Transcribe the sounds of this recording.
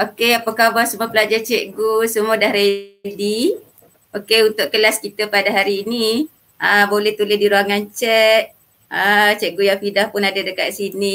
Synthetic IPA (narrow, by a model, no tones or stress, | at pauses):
okeapakabasəmuapəlad͡ʒat͡ʃɛʔɡusəmuadahɾedi | okeunt̪ʊʔkəlaskit̪əpadaɦaɾiːni | əbolɛht̪ulɪsdiɾuaŋant͡ʃɛt̪̚ | ət͡ʃɛʔ̚ɡujaŋfidahpʊnadadəkaʔ̪̚sini